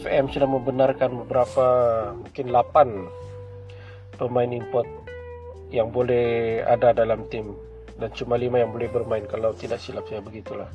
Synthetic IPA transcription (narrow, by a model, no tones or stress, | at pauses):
fɛmsudahməmbənarkanbəbəɾapamukɪnlapan | pəmaɪnimpɔt̪̚ | jaŋbolɛha̰dadalamt̪ɪm | dant͡ʃumalimajaŋbolɛhbərmaɪnkalawt̪idaksilap̚sajabəɡit̪ulah